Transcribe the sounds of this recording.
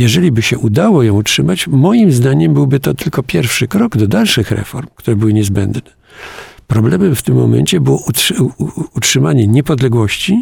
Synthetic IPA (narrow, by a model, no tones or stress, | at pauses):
jɛʐɛlʲibɘɕɛʔud̪awɔjɔ̃w̃utʂɘmat͡ɕmɔjimzd̪aɲɛmbɘwbɘt̪ɔt̪ɘlkɔpʲjɛɾfʂɘkɾɔɡd̪ɔd̪alʂɘxɾɛ̰fɔɾmkt̪uɾɛbɘwɘɲɛzbɛ̰nd̪nɛ | pɾɔblɛmɛmft̪ɘmːɔ̰mɛ̰ɲt͡ɕɛbɘwɔu | utʂɘmaɲɛɲɛpɔd̪lɛɡwɔɕt͡ɕi